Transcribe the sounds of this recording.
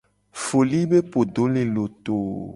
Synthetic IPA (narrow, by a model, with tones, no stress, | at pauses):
fo˨li˦be˦po˨ɖo˨˦lẽ˨lo˨t̪o˨